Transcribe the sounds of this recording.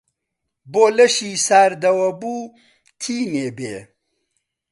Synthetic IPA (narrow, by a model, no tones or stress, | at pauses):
boːlɐʃiːsaːɾd̪ɐwɐbuː | t̪ʰiːneːbḛː